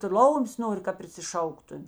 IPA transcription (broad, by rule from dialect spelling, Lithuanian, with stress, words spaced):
ˈtʊ ˈlˠɐʊmʲeːs ˈnoːrʲɪ kɐ pʲrʲɪsʲɪˈʃɐʊktʊmʲɪ